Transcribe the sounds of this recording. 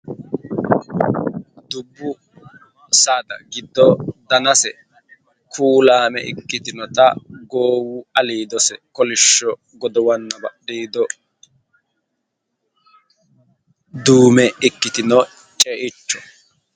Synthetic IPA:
d̪ʊbːʊ | sad̪ɐ̰ɡɪd̪ːɔd̪ɐnɐsɛ | kʰuːlaːmɛ̰ʔɪ̰kːɪt̪ɪnɔt̪ɐ̰ɡoːwʊɐliːd̪ɔsɛkɔlɪʃːɔ | ɡɔd̪ɔwɐnːɐbɐɗiːd̪ɔ | d̪uːmɛɪkːɪt̪ɪnɔ | t͡ʃʼeːʔɪt͡ʃːɔ̥

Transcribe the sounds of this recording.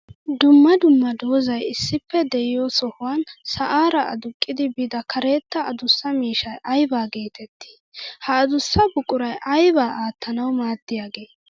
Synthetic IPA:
d̪ʊmːɐd̪ʊmːɐd̪o̞ːzɐjɪsːɪpːɛd̪ɛʔɪjoːsɔhʊwansɐʔaːɾɐʔɐ̰d̪ʊkʼːɪd̪ɪbɪd̪ɐkʰɐɾe̞ːt̪ːɐɐd̪ʊsːɐmiːʃɐjʔɐjbaːɡe̞ːt̪ʰɛt̪ʰːi̥ | hɐːd̪ʊsːɐbʊkʼːʊɾɐjʔɐjbaːaːt̪ːɐnɐwmaːd̪ːɪjaːɡe̞ː

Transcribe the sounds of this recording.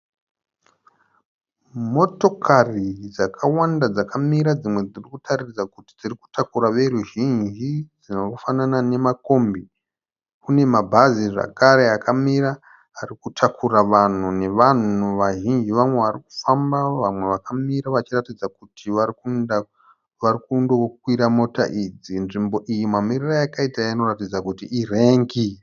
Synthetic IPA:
mo̞to̞kʰarid͡zakʰawandad͡zakʰamiɾad͡zimwe̞d͡zirikutʰaririd͡zakuti̥d͡ziriku̥tʰakuɾaʋe̞ɾuʒind͡ʒid͡zinokufananane̞mako̞mbi | kune̞mabʱaziʐa̰kaɾe̞akamiɾaː | rikutʰakuraʋan̤une̞ʋan̤uʋaʒind͡ʒiʋamwe̞ʋariku̥fambaʋamwe̞ʋakamiɾaʋat͡ʃiratid͡zakutʰiʋarkun | ʋarikundo̞k̚wiɾamo̞ta̰ʔid͡zinʐimbo̞ʔijimwamirirajakaitaino̞ratid͡zakutiʔire̞ːŋɡi

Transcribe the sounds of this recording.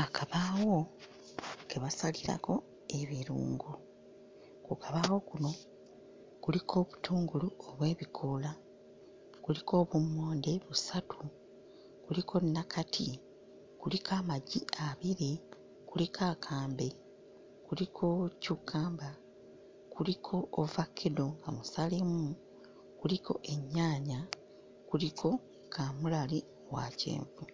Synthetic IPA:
akaβaːwo̞ | keβasaliɾa̰ko̞ | e̞βiɾṵːŋɡu | kukaβaːwo̞kuno̞ | kulikʰo̞ːβu̥tʰuːŋɡuluoβwe̞ːβikʰola | kulikʰo̞ːβumːo̞ːndeβusatʰu | kulikʰo̞nːakatʰi | kulikʰaːmaɟiʔaβiɾe | kulikʰakʰaːmbe̞ | kulikʰo̞cukʰːaːmba | kulikʰo̞ʔːvakʰːedo̞ŋɡamusalemu | kulikʰo̞ʔe̞ɲːaːɲa | kulikʰo̞ | kʰamulali | owa̰cḛːɱvu

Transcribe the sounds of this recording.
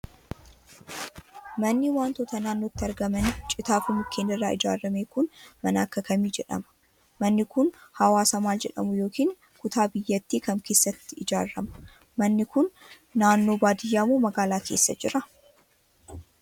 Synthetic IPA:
mɐnːɪwaːnt̪oːt̪ɐnaːnːoːt̪ːɪɐɾɡɐmɐnɪt͡ʃʼɪt̪aːfʊmʊkʰːeːnɪrːaːɪd͡ʒa̰ːɾːɐmeːkʊnmɐnɐːkːɐkɐmiːd͡ʒɛᶑɐ̰mɐ̥ | mɐnːɪkʊnhɐwaːsɐmaːld͡ʒɛᶑɐ̰mʊjo̞ːkiːŋ | kʊt̪aːbɪjːɐt̪ːiːkɐmkeːsːɐt̪ːɪɪd͡ʒaːɾːɐmɐ̥ | mɐnːɪkʊnː | aːnːo̞ːbaːd̪ɪjːaːmoːmɐɡaːlaːkʰe̞̰ːsːɐ̰d͡ʒɪ̰ɾɐ

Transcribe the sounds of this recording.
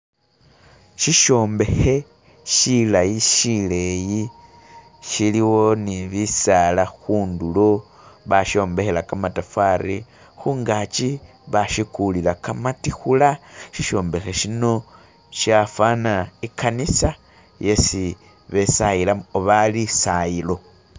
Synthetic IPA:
ʃiʃo̞ːmbe̞xe̞ | ʃilajiʃile̞ji | ʃiliwo̞niβisalaxuːndulo̞ | βaʃo̞ːmbe̞xelakamatafaɾḭ | xuːŋɡat͡ʃi | βaʃikulilakamatixulaʃiʃo̞ːmbe̞xe̞ʃino̞ | ʃafanaikʰanisa | je̞si | βe̞sajilaoβalisajilo̞

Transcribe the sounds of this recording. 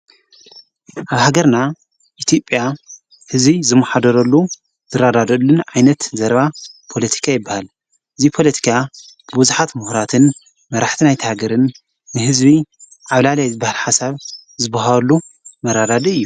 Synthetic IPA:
ʔaβhaɡɐɾna | ʔit̪ʰjo̞pʼja | hɨzbizɨmːaħad̪ɐɾɐlːu | zɨɾad̪ad̪ɐlːɨnʕajnɐt̪zɐɾβapʰo̞lɐt̪ʰi̥kʰajɪbːahal | ʔɨzipʰo̞lɐt̪ʰi̥kʰa | b̥ɨbuzuħat̪muhɾat̪ʰɨn | mɐɾʔaħt̪ʰinajt̪ʰɐhaɡɐɾɨnː | ɨɦɨzbi | ʕaβlaljajzɨbahalħasaβ | zɨbaɦalːu | mɐɾad̪ad̪ɐɨjːu

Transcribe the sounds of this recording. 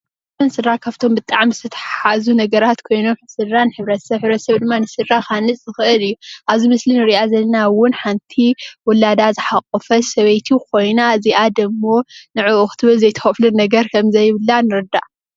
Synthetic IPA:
ɐnsɨrːakʰaβt̪ʰo̞mbɨt̪ʼaʕmizɨt̪ʰɐt̪ʰɐ̥ħaħazunɐɡɐɾat̪kʰo̞jno̞mħɨsɨrːanɨħɨβɾɐt̪sɐβħɨβɾɐt̪sɐβd̪ɨmːanɨsɨrːaxanɨsʼzɨxɨʔɨlɨjːuʔaβzimɨslinɨɾiʔazɐlɐnawʊnħant̪ʰiwɔlad̪azɨħaqʼːɨfɐsɐβɐjt̪ʰukʰo̞jnaziʔad̪ɐmːonɨʕuʔːxt̪ʰɨβɨlzɐjt̪ʰɐ̥xflɨnɐɡɐɾkʰɐmzɐjβɨlːanɨɾɨd̪a̰ʔ

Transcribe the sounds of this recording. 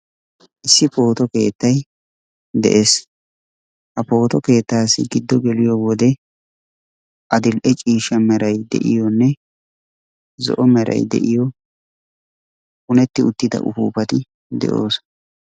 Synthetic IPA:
ʔɪsːɪpo̞ːt̪ɔke̞̰ːt̪ːɐj | d̪ɛ̰ʔe̞ːs | hɐpo̞ːt̪ɔke̞ːt̪ːaːsːɪɡɪd̪ːɔɡɛlɪjɔwɔd̪ɛ | ʔɐd̪ɪlʔɛt͡ʃʼiːʃɐmɛɾɐjd̪ɛ̰ʔɪjɔnːɛ | zɔ̰ʔɔmɛɾɐ̰jd̪ɛ̰ʔɪjɔ | hʊnɛt̪ːɪʊt̪ːɪd̪ɐ̰ʔʊfṵːpɐt̪ɪ | d̪ɛ̰ʔo̞̰ːs

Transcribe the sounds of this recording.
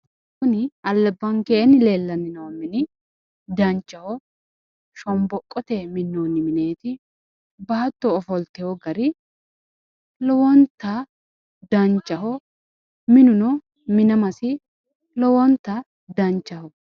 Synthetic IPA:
kʊnɪɐlːɛbːɐŋkeːnɪleːlːɐnɪnɐwɔmːɪnɪ | d̪ɐnt͡ʃːɐhɔ | ʃɔmbɔkʼːɔt̪emɪnːoːnːɪmɪne̞ːt̪ɪ | baːt̪ːɔːfɔlt̪ɛhɔɡɐɾɪ | lɔwɔnt̪ːɐ | d̪ɐnt͡ʃːɐhɔ | mɪnʊnɔ | mɪnɐmɐsɪ | lɔwɔnt̪ːɐ | d̪ɐnt͡ʃːɐhɔ

